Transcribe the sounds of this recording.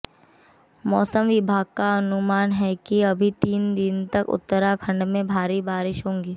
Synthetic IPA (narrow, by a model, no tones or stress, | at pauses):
mɔːsəmʋɪbʱaːɡ̚kaɐnʊmaːnɦɛkiɐbʱit̪iːnd̪ɪnt̪ɐkʊ̰t̪ːəɾakʰɐ̃ɳɖmẽbʱaːɾibaːɾɪʃɦõːŋɡeː